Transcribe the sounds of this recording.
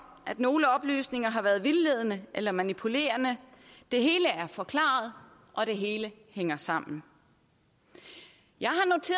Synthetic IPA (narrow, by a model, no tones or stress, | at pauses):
æd̥no̝ːləɒ̽b̥ly̰ːsne̝ŋɐɦɑ̈ʋæːɐðˠʋilːeð̞ˠnəʔelɐmænipʰule̝̰ːɐnəd̥e̝ɦe̝ːləæɐfɒ̽kʰlɑ̰̈ːð̞̩ˠ | ʔɒ̽d̥e̝ɦe̝ːlə | heŋ̰ɐsɑ̈m̰n̩ | jɑ̈ɪɦɑ̈no̝t͡sʰe̝ː